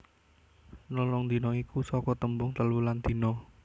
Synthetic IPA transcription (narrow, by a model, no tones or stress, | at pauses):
nɔlɔŋd̪i̤nɔikusɔkɔt̪əmbʊŋt̪əluland̪̥i̤nɔ